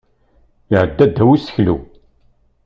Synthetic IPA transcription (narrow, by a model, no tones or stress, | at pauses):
iʕəd̪ːæd̪ːæwisə̥çlṵ